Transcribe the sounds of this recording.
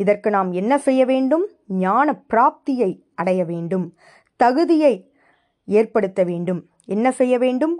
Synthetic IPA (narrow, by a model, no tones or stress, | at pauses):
ɪðɐrkɯnaːmɛnːɐsɛjːɐʋeːɳɖɯm | ɲaːnɐpːɪɾaːp̚t̪ɪjɐɪ | ʔɐɽɐjɐʋeːɳɖɯm | t̪ɐɣɯðɪjɐɪ | eːrpɐɽɯt̪ːɐʋeːɳɖɯm | ɛnːɐsɛjːɐʋeːɳɖɯm